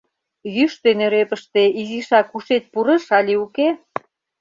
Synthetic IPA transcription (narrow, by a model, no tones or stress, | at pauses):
jyʃt̪eneɾepəʃt̪eiziʃɑkuʃet̪̚puɾə̆ʃɑlʲiuke